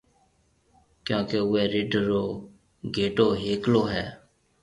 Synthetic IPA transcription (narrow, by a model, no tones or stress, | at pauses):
kjõːkeːʊɛːɾɪɖʱɾoː | ɡʱeːʈoːɦeːkloːɦɛː